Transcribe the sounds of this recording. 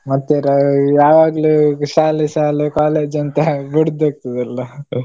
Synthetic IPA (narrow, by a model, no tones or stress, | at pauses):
mɐt̪ːeɾɐjaːʋaːɡluʃaːliʃaːlekaːleːd͡ʒɐnt̪ebiɽd̪eːk̚t̪ɐd̪ɐlːɐ